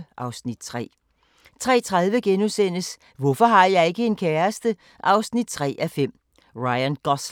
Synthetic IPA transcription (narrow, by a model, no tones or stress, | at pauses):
ʔɑ̈ʊsnid̥t͡sʰʁɛ̰ː | t͡sʰʁɛ̰ːt͡sʰʁɑðˠʋəɡ̥enusen̰əs | ʋɔfɒ̽ɦɑ̈jɑ̈ɪe̝ɡ̥əe̝nkʰɛːɐsd̥ə | ʔɑ̈ʊsnid̥̚t͡sʰʁɛ̰ːʔæfem̰ | ʁɑ̈ɪænɡ̥ɒs